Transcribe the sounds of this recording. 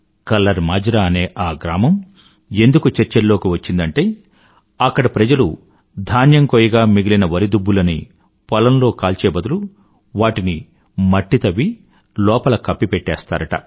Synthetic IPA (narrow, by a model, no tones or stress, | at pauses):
kɐlːɐɾmaːd͡ʒɾaɐne̞ːʔaːɡɾaːmɐm | e̞nd̪ukut͡ʃeɾt͡ʃɐlːo̞ːkiʋɐt͡ʃːind̪ɐɳʈe̞ː | ɐkːɐɽɐpɾɐd͡ʒɐlu | d̪ʱaːnjɐŋkoːjiɡaːmiɡilinɐʋɐɾid̪ubːulɐni | pɔlɐnlo̞ːkaːlt͡ʃeːbɐd̪ulu | ʋaːʈini | mɐʈːit̪ɐʋi | lɔːpɐlɐkɐpːipeʈːɛːst̪a̰ːɾɐʈɐ̰